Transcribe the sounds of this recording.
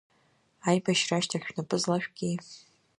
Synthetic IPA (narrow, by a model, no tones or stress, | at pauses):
ajbaʃraʃtʰaxʲᶣnapʰʼɨzlaʃᶣɡʲej